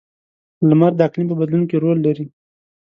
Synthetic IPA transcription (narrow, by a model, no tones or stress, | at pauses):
lamaɾd̪əɑklimp̬əbad̪lunokeɾolːaɾi